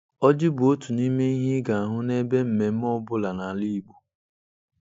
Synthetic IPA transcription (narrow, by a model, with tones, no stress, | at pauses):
ɔ˦d͡ʒɪ˦bʊ˨o˦tu˨ni˦me˦i˦ɦɪ˦ɡa˨a˨ɦʊ˦ne˦be˦m̩˨me˨m̩˦mɔ˦ʊ˦bʊ˦la˨na˨li˦˨ɡ͡bu˨